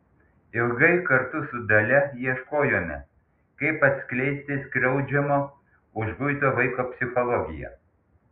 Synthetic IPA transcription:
ɪlˠɡɐɪkɐɾt̪ʊsʊd̪ɐlʲɛiɛʃkoːjoːmʲɛ̰ | kɐɪpɐt̪ʲsʲkʲlʲɛɪsʲt̪ʲɪskɾʲɛʊd͡ʒʲɛmoː | ʊʒɡʊɪt̪oːʋɐɪkoːpʲsʲɪxɔlˠɔɡʲɪ̰jɛ̰

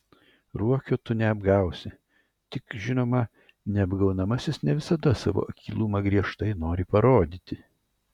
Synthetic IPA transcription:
ɾuɔkʲoːt̪ʊnʲɛɐbɡɐˑʊsʲɪ | t̪ʲɪkʒʲɪnoːmɐ | nʲɛɐbɡɐʊnɐmɐsʲɪsnʲɛʋʲɪsɐd̪ɐsɑ̰ːʋo̰ːɐkʲiːlˠuːmɐɡɾʲiɛʃt̪ɐɪnoːɾʲɪpɐɾoːd̪ʲiːt̪ʲɪ

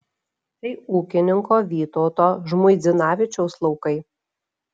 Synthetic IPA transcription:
t̪ɐɪuːkʲɪnʲɪŋkoːʋʲiːt̪oːt̪oːʒmʊɪd̪zʲɪnɑːʋʲɪt͡ʃʲɛʊslˠɒʊkɐɪ

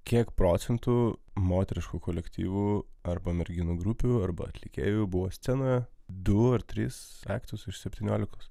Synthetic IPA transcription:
kʲiɛkpɾoːt̪sʲɛnt̪umoːt̪ʲɛɾʲɪʃkukoːlʲɛkt̪ʲḭːʋuːɐɾbɐmʲɛɾʲɡʲɪnuːɡɾʊpʲuɐɾbɐ̰ɐ̰t̪ʲlʲɪkʲḛːjʊbʊʋoːsʲt̪sʲɛnoːjɛd̪ʊɐɾt̪ʲɾʲiːsɑ̰ːkt̪ʲɪjʊsɪʃsʲɛpʲt̪ʲiːnʲoːlʲɪkoːs

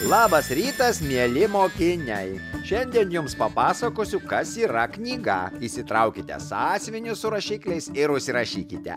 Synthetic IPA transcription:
lˠɑːbɐsɾʲiːt̪ɐsmʲiɛlʲɪmoːkʲɪnʲɛɪʃʲɛnʲd̪ʲiɛnjʊmspɐpɑːsɐkoːsʲʊkɐsiːɾɐknʲiːɡɐ̰iːsʲɪt̪ɾɐʊkʲɪt̪ʲɛ̰sɑːsʲʋʲɪnʲʊsʊɾɐʃʲiːklʲɛɪsɪɾʊʃʲsʲɪɾɐʃʲiːkʲɪt̪ʲɛ̰

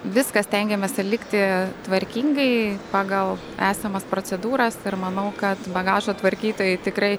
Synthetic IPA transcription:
ʋʲɪskɐsʲt̪ʲɛŋʲɡʲɛmʲɛsʲɛlʲɪkt̪ʲɪt̪ʋɐɾʲkʲiːŋɡɐɪpɑːɡɐlˠ | æːsʲɐmɐspɾoːt͡s̪ʲɛd̪uːɾɐsɪɾmɐnɐʊkɐt̪bɐɡɑːʒoːt̪ʋɐɾʲkʲiːt̪oːjɪt̪ʲɪkɾɐɪ

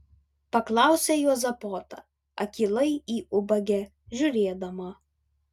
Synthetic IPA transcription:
pɐklˠɑˑʊsʲɛːjuɔzɐpoːt̪ɐ̰ | ɐ̰kʲiːlˠɐɪiːʊbɐɡʲɛ | ʒʲʊɾʲeːd̪ɐmɐ

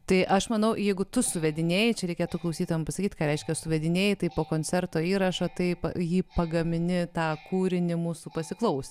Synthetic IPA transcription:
t̪ɐɪʔɐʃmɐnɐʊjɛɪɡʊt̪ʊsʊʋʲɛd̪ʲɪnʲeːjɪt͡ʃʲɛɾʲɛɪkʲeːt̪ʊklˠɐʊsʲiːt̪oːjɛmpɐsɐkʲiːt̪kɑːɾʲɛɪʃʲkʲɛsʊʋʲɛd̪ʲɪnʲeːjɪt̪ɐɪpoːkoːnʲt͡sʲɛrt̪oːiːɾɐʃoːt̪ɐɪpɐ̰jiːpɐɡɐmʲɪnʲɪt̪ɑːkuːɾʲɪnʲɪmuːsuːpɐsʲɪklˠɐʊsʲ

